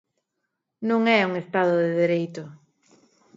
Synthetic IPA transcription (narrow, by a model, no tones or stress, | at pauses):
nõŋɛuŋest̪aðʊðeðeɾejt̪ʊ